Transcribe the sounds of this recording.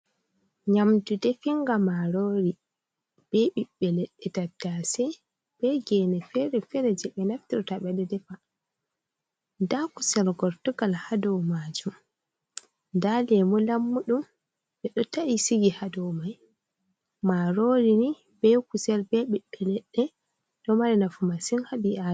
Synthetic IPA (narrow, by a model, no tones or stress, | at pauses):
ɲamtudɛfiŋɡamaɾoɾi | b̥ɛɓiɓːɛlɛɗːɛdatːasɛ | b̥ɛɡɛnɛfɛɾɛfɛɾɛd͡ʒɛɓɛnaftiɾɔtaɓɛdɛdɛfa | dakusɛlɡɔɾtuɡalhadɔmad͡ʒum | ndalɛmɔlamːuɗum | ɓɛɗɔtaisiɡihadɔwmaj | maɾoɾini | bɛkusɛlbɛɓiɓːɛlɛɗːɛ | ɗɔmaɾɛnafumasinhabiʔa